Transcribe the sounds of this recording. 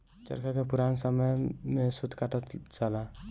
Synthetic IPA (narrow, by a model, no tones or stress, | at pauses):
t͡ʃə̰ɾkʰakepuɾansəməjmesud̪kaʈət̪t͡ʃala